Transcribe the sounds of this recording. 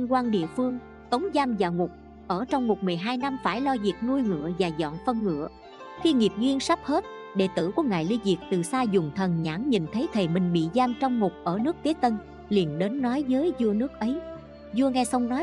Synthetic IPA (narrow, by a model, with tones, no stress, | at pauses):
i˧ŋkwaː˧nɗḭ˧˨əfɨ˧əŋ | t̪ə˨˦wŋ͡mzaː˧mzaː˨˩wŋʊ˨˩k͡p̚ | ʔəː˧˩t͡ɕɔ˧wŋ͡mmo˨˩t̚mɨ˨˩əjɦaː˧jna˧mfaː˧˩jlɔ˧zi˨˩ək̚nu˧jŋɨ̰˧˨əvaː˨˩zɔ̰˧˨nfə˧nŋɨ̰˧˨ə | xi˧ŋi˨˩əp̚zwi˧ənsa˦˥p̚he˦˥t̚ | ɗe˧˩t̪ɨ̰˧˩ku˧˩əŋa̰ː˨jli˧zi˨˩ək̚t̪ɨ˨˩saː˧zʊ˨˩ŋ͡mt̪ʰə˨˩nɲa̰ː˧˥ŋɲi˨˩nt̪ʰə˨˦jt̪ʰe˨˩mï˨˩ŋ̟ɓḭ˧˨zaː˧mt͡ɕɔ˧wŋ͡mŋʊ˨˩k͡p̚ʔəː˧˩nɨ˦˥ək̚t̪i˨˦t̪ə˧n | li˨˩ənɗe˨˦nːɔ˨˦jzəː˨˦jzu˧ənɨ˦˥ək̚ʔə˨˦j | zu˧əŋa˧jsa˧wŋ͡mnɔ˨˦j